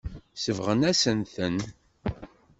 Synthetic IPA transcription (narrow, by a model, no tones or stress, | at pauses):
səvʁənæsənθən